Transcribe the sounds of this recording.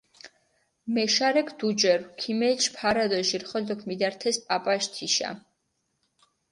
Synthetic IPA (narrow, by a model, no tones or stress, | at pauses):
mɛʃaɾɛkʰd̪̥ud͡ʒɛɾkʰimɛːt͡ʃʰpʰaɾad̪ɔʃiɾχɔld̪ɔkʰmid̪aɾt̪ʰɛspʼapʼaʃt̪ʰiʃa̰